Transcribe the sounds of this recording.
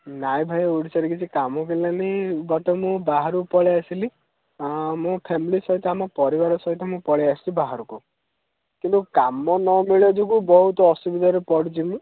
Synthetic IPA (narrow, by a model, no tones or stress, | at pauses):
najbʱajuɽisaɾekit͡ʃʰikamɔkelinanibaʈɔmũbaɦaɾupɔɭeasili | mũpʰemilisɔɦit̪ɔamɔpɔɾibaɾɔsɔɦit̪ɔmũpɔɭeasilibaɦaɾuku | kint̪ukamɔnɔmiɭed͡ʒukubɔɦut̪ɔːsubid̪ʱɔjɔɾepɔɽit͡ʃimũ